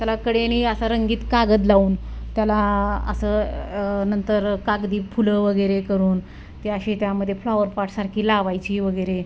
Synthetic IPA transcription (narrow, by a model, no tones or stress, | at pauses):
t̪jalakəɽeniəsaɾəŋɡiːt̪kaɡəd̪̬lauːnt̪jalaə̰sə | nənt̪əɾkaɡd̪iːfuləʋəɡəjɾekəɾuːn | t̪eəɕet̪jaməd̪ʱːjeflaʋəɾpaʈʰsaɾkʰiːlaʋajt͡ɕiːʋəɡəjɾe